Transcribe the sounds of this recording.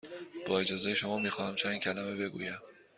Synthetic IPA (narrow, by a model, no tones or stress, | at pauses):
b̥ɒːe̞d͡ʒɒːzejeʃo̞mɒːmiːxɒːhæmt͡ʃʰæncʰælæmebe̞ɡṵːjæm